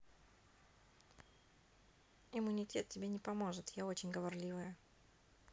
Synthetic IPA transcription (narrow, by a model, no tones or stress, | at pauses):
ɪmːʊnʲɪtʲe̞t̪̚tʲɪbʲenʲɪpɐmo̞ʐɨt̪jao̞t͡ɕɪnʲɡəvɐrlʲivɨjə